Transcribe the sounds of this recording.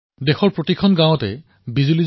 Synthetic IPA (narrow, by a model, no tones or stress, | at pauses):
dexɔɹpɹotikʰɔnɡãw̃ɔtɛ̰ | bizuliz